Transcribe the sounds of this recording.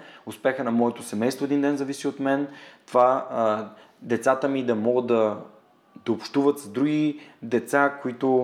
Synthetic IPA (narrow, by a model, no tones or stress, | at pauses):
ʊspɛxənɐmɔɛt̪osɛmɛjst̪voɛd̪ind̪ɛnzɐvisiot̪mɛnt̪ova | d̪ɛt̪sat̪əmid̪ɐmɔɡəd̪ɐ | d̪ɐopʃt̪uvət̪zd̪ɾuɡʲid̪ɛt̪sakoit̪o